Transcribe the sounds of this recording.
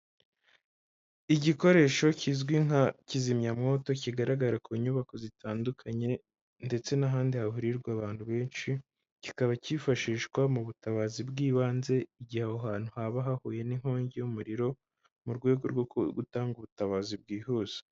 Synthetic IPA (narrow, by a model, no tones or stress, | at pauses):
iɟiko̞ɾe̞ːʃo̞cizɡwiŋacizimɲamŋo̞ːto̞ciɡaɾaɡaɾakʰoːɲuβako̞zitʰaːndukʰaɲe̞ | nde̞t͡se̞naɦaːndihaɦuɾiɾɡwaβaːn̥huβe̞ːnʃi | cikaβacifaʃiːʃkwamuβutaβazibɡiːβaːnze̞iɟihahoɦaːn̥huhaβaɦahuːje̞niŋ̥hoːɲɟejumuɾiɾo̞ | muɾɡwe̞ːɡoɾɡokɡutaːŋɡuβutaβaːzib̚ɡiːhoz̥o̥